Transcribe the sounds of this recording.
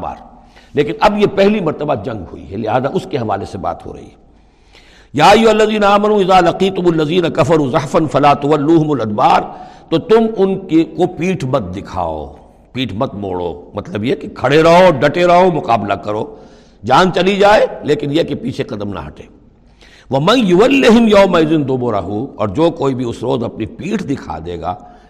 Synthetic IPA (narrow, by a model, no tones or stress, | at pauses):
ba̰ːɾleːkɪnɐbjepɛɦlimɐɾt̪əbad͡ʒɐ̃ŋɡɦʊ̰ḭɦɛ̰lɪɦaːzaʔʊskeɦɐʋa̰ːleseba̰ːt̪ɦo̰ɾɐ̰ɦḭɦɛ | jaːjːʊɐlːɐziːnaaːmɐnũɪzaːlɐqiːt̪ʊmɐlːɐziːnɐkɐfɐɾuːzɐħfɐnfɐlaːt̪ɐwɐlːuːɦʊmʊlɐd̪baːɾt̪ot̪ʊmʊnkekopiːʈʰmɐt̪̚d̪ɪkʰa̰ːo̰ | piːʈʰmɐt̪̚mo̰ːɽo̰ːmɐt̪ləbjekekʰɐɽeɾɐɦoɖɐʈeɾɐɦomʊqaːblakɐɾo̰ː | d͡ʒaːnt͡ʃɐlid͡ʒaːeleːkɪnjekepiːt͡ʃʰeqɐd̪əmnɐ̰ɦɐʈeː | ʋɐmɐ̃njʊʋɐlːɪɦɪmjɐːmɐɪzɪnd̪ʊboɾɐ̰ɦuɔ̰ːɾd͡ʒoːkoːibʱiʊsɾoːzɐpnipiːʈʰd̪ɪkʰa̰ːd̪ḛːɡa̰ː